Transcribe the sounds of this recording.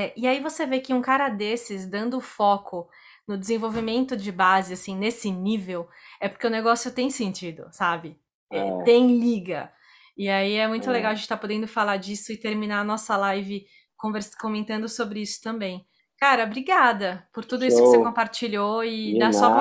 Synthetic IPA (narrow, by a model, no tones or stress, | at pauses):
ɛʔɪaivosevekɪũkaɾɐd̪esɪzd̪ɐ̃nd̪ʊːfɔkʊ | nʊd͡ʒ̪ɪzẽvowvimẽnt̪ʊd͡ʒɪbazɪasĩnesɪnivew | ɛpoɾkeʊneɡɔsjʊt̪ẽj̃sẽnt͡ʃid̪ʊ̰sabɪ | ɛt̪ẽj̃liɡɐ | ɪaiɛmũj̃t̪ʊleɡawɐʒẽt͡ʃɪt̪apod̪ẽnd̪ʊfalad͡ʒisʊɪt̪eɾmĩnaɐnɔsɐlajvɪ | kõveɾskõmẽnt̪ɐ̃nd̪ʊsobɾɪisʊ̥t̪ɐ̃mbẽj̃ | kaɾɐbɾiɡad̪ɐpʊɾt̪ud̪ʊisʊkkɪsekõpaɾt͡ʃiʎoɪd̪asɔ